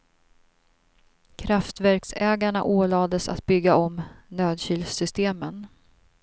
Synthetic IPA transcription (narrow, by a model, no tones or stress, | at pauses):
kʰɾaft̪væɾksɛːɡaɳaʔoːlɑːd̪əsa̰t̪̚bʏɡːaɔmnøːd̪ɕyːlsʏst̪eːmən